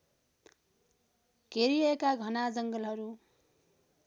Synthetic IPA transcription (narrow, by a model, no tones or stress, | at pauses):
ɡ̥ʱeɾiʌekaɡʱʌnad͡zʌŋɡʌlɦʌɾu